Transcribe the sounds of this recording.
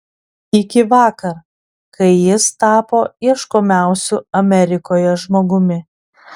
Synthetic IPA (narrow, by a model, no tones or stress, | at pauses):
ɪkʲɪʋɑːkɐɾ | kɐɪjɪst̪ɑːpoːiɛʃkoːmʲæˑʊsʲʊɐmʲɛɾʲɪkoːjɛʒmoːɡʊmʲɪ